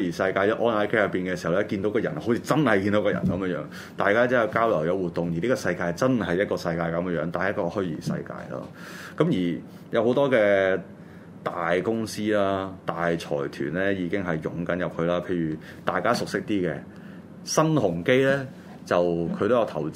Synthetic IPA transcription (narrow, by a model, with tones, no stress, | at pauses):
jiː˨˩sɐ˧jkaː˧jʔɔː˥nɐ˨˥jke˥jɐ˨˩piː˨nkɛː˧si˨˩hɐ˨˩wlɛ˦˥kiː˧nt̪o˨˥kɔː˧jɐ˨˩nho˨˥t͡sʰiː˧t͡sɐ˥nhɐ˨jki˧nt̪o˨˥wkɔː˧jɐ̰˨˩nkɐ˨˦mjə˥ŋjœ̰ː˨˥ŋ | t̪aː˨jkaː˥t͡si˨˥jɐ˨˧wkaː˥wlɐ˨˩wjɐ˨˧wuː˨˩t̪ːʊ˨ŋji˨li˥kɔː˧sɐ˧jkaː˧jt͡sɐ˥nɦɐ˨jɐ˥t̚kɔː˧sɐ˧jkaː˧jkɐ˨˦m˥jœː˨˧˥ŋt̪aː˨n˨jɐ˥t̚kɔː˧hɵ˥ɥjḭː˨˩sɐ̰˧jka̰ː˧jlɐ̰ː˥ | kɐ˨˥mjiː˨˩ | jɐ˨˧who˨˥wt̪ɔː˥kɛː˧ | t̪aː˨jkʊ˥ŋsiː˥laː˥t̪aː˨jt͡sʰɔ̰ː˨˩jt̪ʰy̰ː˨˩nlɛː˥jiː˨˧kɪ˥ŋɦɐ˨jːʊ̰˨˥ŋkɐ˨˥njɐ˨p̚kʰɵ˧laː˥pʰe˧jyː˨˩ | t̪aː˨jkaː˥sʊ˨k̚sɪ˥k̚t̪iː˥kɛ̰˧ | sɐ˥nhʊ˨˩ŋke˥jlɛː˥ | t͡sɐ˨wkʰɵ˨˧t̪o˥wjɐ˨˧wt̪ʰɐ˨˩w